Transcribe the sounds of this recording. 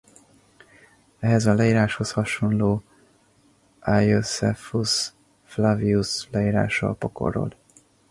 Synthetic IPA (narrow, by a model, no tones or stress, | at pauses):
ɛɦɛzɒlɛiːɾaːʃho̞shɒʃo̞nloː | ʔajosɛfus | flɒviuslɛiːɾa̰ːʃɒ̰lpoko̞̰ro̞̰l